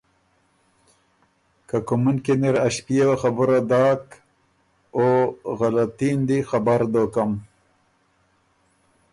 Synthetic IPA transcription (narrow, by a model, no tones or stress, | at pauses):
kakʊmunkeneɾaʃpijewaxabʊɾad̪ɑːk | oɣalat̪ind̪ixabaɾd̪okam